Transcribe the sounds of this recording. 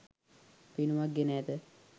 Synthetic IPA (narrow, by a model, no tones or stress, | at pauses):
pinuʋaɡenɛːd̪ə